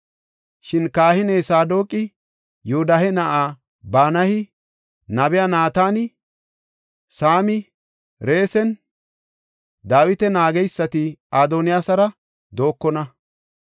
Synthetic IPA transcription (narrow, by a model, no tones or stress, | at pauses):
ʃɪnkaːhɪneːsaːd̪o̞ːkʼɪ | jʊʊd̪ɐhɛnɐʔaː | baːnɐhɪ | nɐbɪjanaːt̪aːnɪ | saːmɪ | ɾe̞ːsɛn | d̪aːwɪt̪ɛnaːɡɛjsːɐt̪ɪaːd̪onɪjaːsɐɾɐ | d̪o̞ːkːɔnɐ